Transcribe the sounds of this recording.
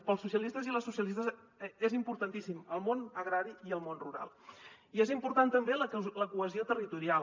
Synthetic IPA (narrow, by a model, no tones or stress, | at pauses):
pəlˠsːusiəlist̪əziləsusiəlist̪əz | ezimpuɾt̪ənt̪isiməlˠmonəɣɾaɾiiəlˠmonruɾa̰lˠiezimpuɾt̪ant̪əmbelələkuəziot̪ərit̪uɾial